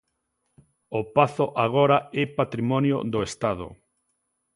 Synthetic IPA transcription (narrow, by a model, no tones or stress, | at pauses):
opaθoʔaɣoɾaɛpat̪ɾimɔnjo̰ðoest̪að̞ʊ̰